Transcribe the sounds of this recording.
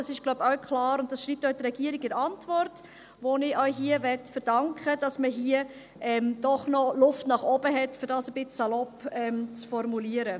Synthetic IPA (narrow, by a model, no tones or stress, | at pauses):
ɑsɪʃɡ̥laʊbaʊkʰχlɑːɾʊnt̚d̥ɑsʃɾiːp̚tœʊdəɾɛɡiəɾɪɡɪɾɑntvɔrt | ʋonɪʔœʏɦiəvɛtfəɾd̥ɑŋkχəd̥ɑsməɦiə | ʔɛmd̥ɔχnɔlʊftnɑχɔbəɦɛtfʏɾdɑːsəb̥ɪt͡ssɑlɔpɛmt͡sfɔrmuliəɾə